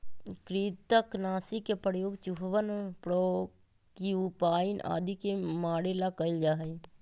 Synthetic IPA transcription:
kɾiːt̪əknaːsikepəɾjoːɡt͡ʃuɦʋənpɽo | kiupaːinʔa̰ːd̪ikemaːɽelakəɪld͡ʒaːɦəi

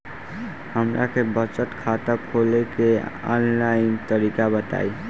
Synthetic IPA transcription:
həmɾʔa̰kebət͡ʃət̪kʰat̪əkʰolekeɔ̰nlaint̪əɾikabət̪a̰j

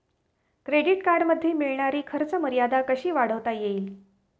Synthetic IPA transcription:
kɾeɽiʈkaɾɖməd̪ʱːeːmiɭɳaɾiːkʰəɾt͡səməɾijad̪akəɕiːʋaɽ̤əʋt̪ajeiːl

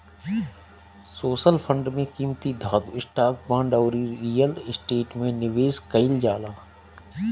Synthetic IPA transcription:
soːʃəlpʰə̃ɳɖmẽkiːmt̪id̪ʱaːd̪uɪsʈaːk̚bãːɳɖɔʊɾiɾiːjəlɪsʈeːʈmẽnɪʋeːskəɪld͡ʒaːlaː

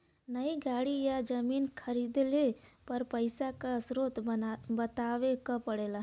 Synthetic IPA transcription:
nəiɡaːɽijad͡ʒəmiːnkʰəɾiːd̪lepɐɾpəɪsakaəsɾot̪bət̪aːʋekãpəɽeːla

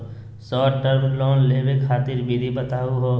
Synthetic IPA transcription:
sɔːʈəɾblɔːnleːbekʰaːt̪ɪɾbid̪ʱibət̪aːuɦoː

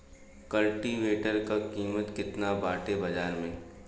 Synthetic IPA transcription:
kɐlʈiʋeːʈəɾkakiːmət̪kɪt̪nabaːʈebɐd͡ʒaːɾmẽ

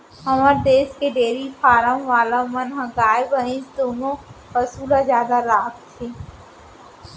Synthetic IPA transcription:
əməɾd̪eːskeɖeːɾifʰaːɾəmʋaːlamənɦɐ̃ɡaːjbəɦɪ̃t͡ʃd̪oːnõbəsuːlazjaːd̪aɾaːkt̪ʰeː

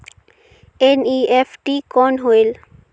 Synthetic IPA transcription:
eniefʰʈikɔnɦoel

